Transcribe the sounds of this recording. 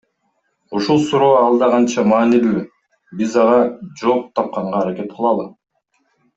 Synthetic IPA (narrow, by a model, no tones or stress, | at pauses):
uʃulˠsuɾo̞ːɑlˠd̪ɑʁɑnt͡ʃɑmɑːnily | bizɑʁɑd͡ʒo̞ːp̚t̪ʰɑp̚qɑɴʁɑːɾake̞t̪̚qʰɯlˠɑlˠɯ